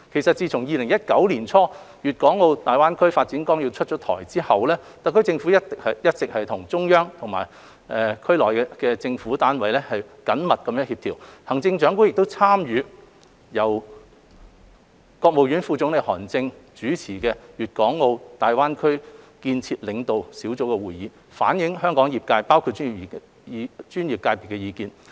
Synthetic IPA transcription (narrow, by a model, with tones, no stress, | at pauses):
kʰe˨˩jsɐ˨t̚t͡siː˧t͡sʰʊ˨˩ŋjiː˧lɪ˨˩ŋjɐ˥t̚kɐ˨˥wliː˨˩nt͡sʰɔː˥ | jyː˨˩t̚kɔː˨˥ŋŋo˧wt̪aː˨jwaː˥nkʰɵ˥ɥfaː˧t̚t͡siː˨˥nkɔː˥ŋji˧wt͡ʃʰt̚t͡ʃɔː˨˥t̪ʰɔ̰ː˨˩jt͡siː˥hɐ˨wlɛː˥t̪ɐ˨˥kʰt͡sɪ˧ŋfu˨˥jɐ˥ttɪ˨k̚hɐ˨jjɐ˥t̚t͡sɪ˨k̚hɐ˨jt̪ʰʊ˨˩ŋt͡sʊ˥ŋjœː˥ŋt̪ʰʊ˨˩ŋma̰ː˨˩j | ʔɛː˨˧kʰɵ˥ɥlɔː˨˩jɛ˧kɛː˧t͡sɪ˧ŋfuː˨˥t̪aː˨˥nwɐ˨jlɛː˥hɐ˨jkɐ˨˥nmɐ˨t̚kɐ˨˧mjœː˨˥ŋhiː˧p̚t̪ʰiː˨˩whɐ˨˩ŋt͡sɪ˧ŋt͡ʃœː˨˥ŋku˥ŋjɪ˨k̚t̪o˥wt͡sʰaː˥mjyː˨˧ | jɐ˨˩w | kɔː˧k̚mo˨wjy˨˥nfuː˧t͡sʊ˨˥ŋle˨jhɔ̰ː˨˩nt͡sɪ˧ŋt͡ʃyː˨˥t͡sʰiː˨˩kɛː˧jyː˨t̚kɔː˨˥ŋːo˧wt̪aː˨jwaː˥nkʰɵ˥ɥ | kiː˧nt͡sʰiː˧t̚lɪ˨˧ŋt̪o˨wsiː˨˥wt͡so˨˥wkɛː˧wuː˨jiː˨˥ | fa̰ː˨˥njɪ˨˥ŋɦœː˥ŋkɔː˨˥ŋjiː˨˩p̚kaː˧jpaː˥wkʰu˧t̚ːyː˥niː˨˩i˨˩˧ | t͡ʃyː˥nji˨p̚kaː˧jpi˨˩tkːɛ˧jiː˨˧kiː˧n